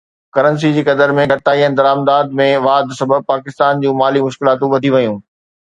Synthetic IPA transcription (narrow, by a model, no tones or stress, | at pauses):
kɐɾə̃ns̬id͡ʑiːkɐd̪əɾmẽɡʱɐɾɪt̪aːiənɪ̆d̪ɐɾaːmd̪aːd̪mẽʋaːd̪sɐbʱəb̚paːkɪst̪aːnd͡ʑũːmaːlimʊʃkɪlaːt̪ũʋɐd̪ʱiʋɐjũː